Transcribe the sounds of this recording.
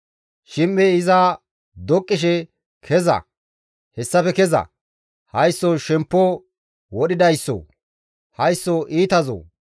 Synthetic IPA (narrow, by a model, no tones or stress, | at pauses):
ʃɪmːɛɪza | d̪ɔkʼːɪʃ̬ɛ | kʰɛzɐ̰ | hɛsːɐpɛkɛzɐ̰ | hɐjsːoʃɛmpːo | wɔɗɪd̪ɐjsːo̰ː | hɐjsːoʔiːt̪ɐzo̰ː